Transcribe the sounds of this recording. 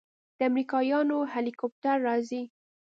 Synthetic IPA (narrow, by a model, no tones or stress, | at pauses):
d̪̥əamɾikɑjɑnohalikop̚taɾːɑzi